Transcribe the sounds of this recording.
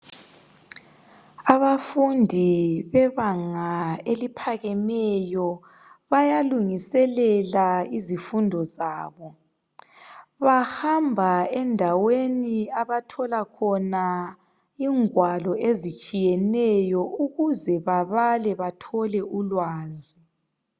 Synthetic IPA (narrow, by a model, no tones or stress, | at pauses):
aβafundʱiβɛβaŋaelipʰaɣɛmɛjɔ | βajaluŋisɛlɛlaizifundʱɔzaːβɔ | βahambʱaɛndʱaweniaβatʰɔlakʰɔna | iŋwalɔezit͡ʃʼijɛnɛjɔʔuɣuzɛβaβalɛβatʰɔlɛulwaːzi